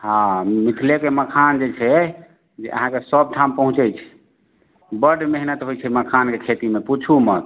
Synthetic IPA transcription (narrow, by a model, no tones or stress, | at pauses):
ɦãmit̪ʰlekeməkʰand͡ʒet͡ʃʰɛ | d͡ʒḛʔə̰ɦãkesəb̚ʈʰampəɦũt͡ʃɛjt͡ʃʰɛ̥ | bəɖmeɦnət̪ɦojt͡ʃʰɛməkʰankekʰet̪imeput͡ʃʰumət̪